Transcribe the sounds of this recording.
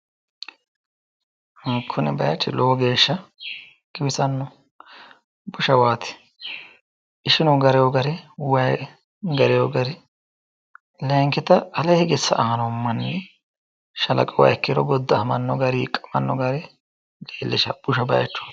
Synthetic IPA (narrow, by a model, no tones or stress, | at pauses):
kʰːʊnɛbɐjɐt͡ʃʼːɪloːɡeːʃːɐ | ɡ̥ɪbɪsɐnːɔ | bʊʃɐwaːt̪ɪ̥ | ʔɪʃɪnɔɡɐɾɛjɔɡɐɾɛwɐj | ɡɐɾɛjoɡɐɾɪ | lɛːŋkɪt̪ɐɐlɛhɪɡɪsːɐ̰ʔaːnɔmːɐnːɛ | ʃɐlɐ̰kʼɔwɐ̰jkːɪɾɔɡɔd̪ːɐhmɐnːɔɡɐɾiːkʼɐmɐ̰nːɔɡɐɾɛ | leːlːɛʃɐ̰b̥ʊʃɐbɐ̰jt͡ʃːʊ̥